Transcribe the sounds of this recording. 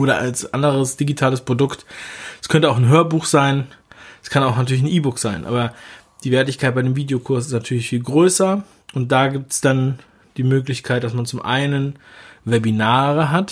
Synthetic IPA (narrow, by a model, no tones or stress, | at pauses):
ʔoːɾɐa̰lsʔa̰ndəʁ̞əsd̥iɡitʰaːləspʁ̥odʊktskʰœntəaʊxn̩ɦøːɐbuːxz̥aɪnskʰanaʊxnatʰyɐlɪçn̩ʔiːbʊkz̥aɪnʔa̰ːbɐ | d̥iːvɛːɐtɪçkʰaɪt̚b̥aɪdeːmviːdeokʰʊɐs̬ɪstnatʰyːɐlɪçfiːlɡʁøːsɐ | ʔʊnt̚d̥aːɡiːp̚tsd̥an | d̥iːmøːklɪçkʰaɪt̚d̥asmant͡sʊmʔa̰ɪnənvɛbinaːʁəɦat